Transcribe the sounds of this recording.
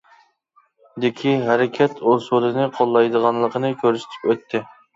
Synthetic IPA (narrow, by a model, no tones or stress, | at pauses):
d̪ɪkʲʰiɦæɾɪkʲʰɛt̪ʰosulˠɨnɨqʰolˠːɑjd̪əʁɑnlˠəqʰənɨkʲʰøɾsɪ̥t̪ʰɪ̥kʲøt̪ʰːɪ